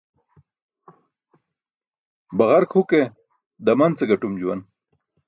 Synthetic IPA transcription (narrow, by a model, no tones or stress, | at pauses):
baɣaɾkhuke | d̪amant͡seɡaʈumd͡ʑuwan